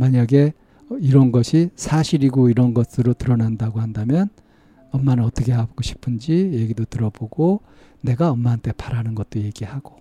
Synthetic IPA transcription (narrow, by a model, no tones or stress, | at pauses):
maɲaɡe̞ | iɾʌnɡʌɕʰisʰaɕʰiɾiɡoiɾʌnɡʌs͈ɯɾotɯɾʌnandaɡohandamjʌn | ʌmːanɯnʌt͈ʌkʰe̞ɦabɡ̥oɕʰi̥pʰɯnd͡ʑije̞ɡidotɯɾʌboɡo | ne̞ɡaʌmːaːntʰe̞paɾanɯnɡʌt̚t͈oje̞ɡihaɡ̥o